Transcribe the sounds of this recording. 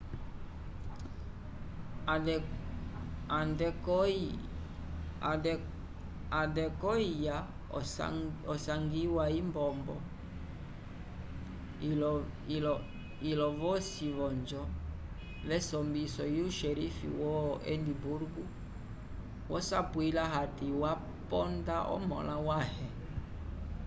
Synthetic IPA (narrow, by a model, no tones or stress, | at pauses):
andɛk | adɛkɔija | ɔsaŋɡiwaimbɔmbɔ̰ | llɔ | ilɔvɔsiβɔnd͡ʒɔ | lɛsɔmbisɔjiuʃɛɾifḭwɔɛ̰ndibuɾɡu | wʔɔsapwilaɦatiwa | pɔndaʔɔ̰mɔ̰lawahɛ